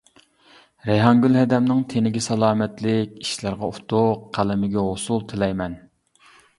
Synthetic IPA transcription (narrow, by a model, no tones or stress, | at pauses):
ɾɛjɦɑŋɡʲylɦɛd̪ɛmnɪŋt̪ʰenɪɡʲɛsɛlˠɑːmɛt̪lɪkʲi̥ʃlæɾʁɑut̪ʰʊqʰːælɪmɪɡʲɛɦosulˠt̪ʰɪlɛjmɛn